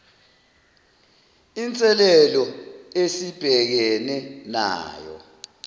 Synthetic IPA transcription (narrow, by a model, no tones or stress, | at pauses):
int͡sʼɛlɛlɔesib̥ʱɛk̬ɛnɛna̰ːjɔ̰